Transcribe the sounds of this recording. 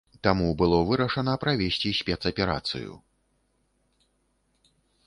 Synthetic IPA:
t̪amubɨlˠɔvɨɾɐʂɐnɐpɾavʲesʲt͡sʲisʲpʲɛt̪sɐpʲɛɾa̰t̪sɨ̰jṵ

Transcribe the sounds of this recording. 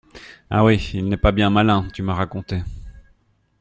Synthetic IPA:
a̰wiilnɛpabjɛ̃malɛ̃t̪ymaʁakɔ̃t̪e

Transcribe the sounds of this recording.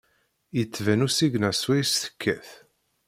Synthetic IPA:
jət͡sːvænusiɡnæswæjsθə̥kʰːæθ

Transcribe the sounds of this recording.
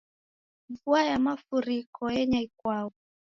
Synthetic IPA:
vuajamafuɾikɔjɛɲaikwaɔ

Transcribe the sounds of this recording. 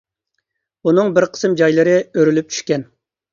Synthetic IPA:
unɨŋbɪɾqʰə̥sɨmd͡ʒɑjlˠɨɾɨøɾylyp̚t͡ʃʰy̥ʃkʲɛn

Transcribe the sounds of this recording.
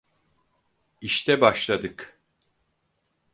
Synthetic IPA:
iʃt̪ʰɛbaʃlˠad̪ɯk

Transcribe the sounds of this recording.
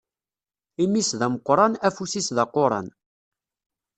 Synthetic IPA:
imisðæməqːɾˤɑnæfusisðɑqoɾˤɑ̰n

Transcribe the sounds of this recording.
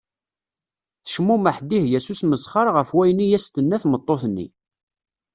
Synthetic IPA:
θə̥ʃmuməħd̪ihjæsusməsχəɾˤʁəfwæjnijæst̪ənːæθmət̪ˤːoθnːḭ

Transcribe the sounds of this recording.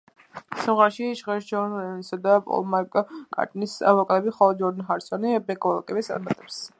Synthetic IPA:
sɔmʁaɾʃiʃʁɛʃd͡ʒɔnɛnisad̪apʼɔ̰lˠmaɾkʼkʼa̰ɾt̪ʼnisa̰vɔkʼat̪ʼɛbiχɔlˠɔd͡ʒɔɾd̪nɦaɾsɔnibɛkʼɔlˠa̰kʼɛbit̪st̪sʼa̰ɾmat̪ʼɛps

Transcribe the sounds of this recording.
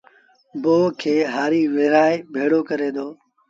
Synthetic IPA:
boːkʰeːɦaːɾiːʋɪːɾaːebʱeːɽoːkəɾeːd̪oː

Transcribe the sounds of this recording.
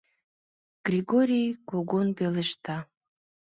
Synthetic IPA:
ɡ̥rʲiɣoɾʲijkoɣonbeləʃt̪ɑ

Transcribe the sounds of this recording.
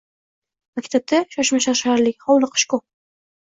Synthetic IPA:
makʲt̪ʰap̚t̪aʃaʃmaʃaɾʃaɾlɪkʲhawlˠɪqʰɨ̥ʃkɔ

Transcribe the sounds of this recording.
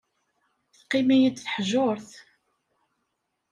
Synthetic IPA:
θqːimæjəd̪θħʒoɾθ

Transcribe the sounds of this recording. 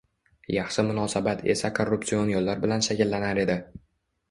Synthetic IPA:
jɑχʃɪmʊnɒsabat̪ʰe̞̰sakʰorːup̚t̪sionjɒlːaɾbɪlanʃakʲɪlːanaɾe̞d̪ɪ

